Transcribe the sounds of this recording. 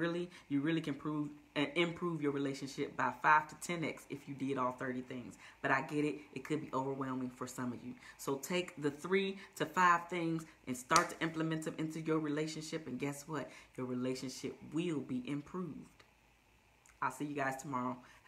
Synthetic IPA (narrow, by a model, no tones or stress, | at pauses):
ɹɪlˠijɨɹɪlˠikʰɨ̃npʰɹ̥uvɪ̃mpʰɹ̥uvjə˞ɹileɪʃɨ̃nʃɪp̚b̥aɪfaɪv̥tʰɨtʰɛ̃nɪksɨfjɨdɪɾɔlˠθɜ˞ɾiθɪ̃ŋz̥b̥ʌɾaɪɡɛɾɪtʔɨt̚kʰɨd̚biʔoʊvə˞wɛlˠmɪ̃ŋfə˞sʌ̃mʌvjɨsoʊtʰeɪk̚ðɨθɹiɾɨfaɪv̥θɪ̃ŋzʔɨ̃nstɑɹtʰɨʔɪ̃mpləmɛ̃nðɨ̃mʔɪ̃ntʉjə˞ɹileɪʃɨ̃nʃɪpɨ̃nɡɛswʌt̚jə˞ɹileɪʃɨ̃nʃɪp̚wɪlˠbiʔɪ̃mpʰɹ̥uvd̥ | aɪlˠsijɨɡaɪz̥tʰəmɑɹoʊ